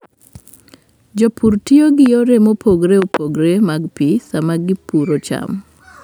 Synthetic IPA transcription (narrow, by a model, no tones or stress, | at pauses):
d͡ʒopʰuɾtioɡɪjoɾemopʰoɡɾeopʰoɡɾemaɡpisamaɡɪpuɾot͡ʃa̰m